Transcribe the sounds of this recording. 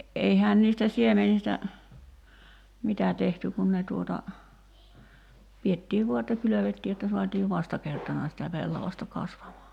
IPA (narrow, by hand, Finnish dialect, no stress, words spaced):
eihæːn niːstæ siemenistæ mitæ tehty kun ne tuotɑ pietːiːʋ ʋuɑ etːæ kyløʋetːiː jotːɑ suɑtiːʋ ʋɑstɑkertɑnɑ sitæ pelːɑʋɑstɑ kɑsʋɑmɑː